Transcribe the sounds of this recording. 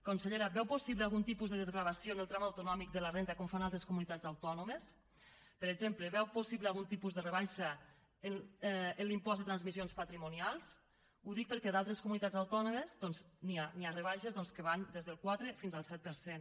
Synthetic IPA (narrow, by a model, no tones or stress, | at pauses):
konseʎeɾabɛwposiβlealˠɣunt̪ipuzðəðəzɣɾaβ̞asjonəlˠt̪ɾamawt̪unɔmik̚d̪ələrent̪akɔmfanalˠt̪ɾeskumunit̪ad͡zawt̪ɔnomes | pəɾezempləβɛwposiβlealˠɣunt̪ipuzðərəβajʃa | enənlimpɔzd̪ət̪ɾanzmizionspat̪ɾimunialˠs | uðik̚pəɾkɛðalˠt̪ɾeskumunit̪ad͡zawt̪ɔnoməzd̪ɔnznianiarəβaʃezðɔnskəβand̪ezðəlˠkwat̪ɾefinzalˠsɛt̪̚pəɾsen